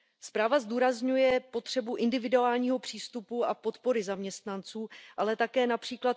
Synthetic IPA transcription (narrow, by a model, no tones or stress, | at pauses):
spɾaːvazduːɾazɲujɛpo̞t̪r̥ɛbuʔɪndɪvɪduaːlɲiːɦo̞pr̥iːst̪upuʔapo̞t̪po̞ɾɪzamɲɛst̪nant͡suːʔalɛt̪akɛːnapr̝̥iːklat̪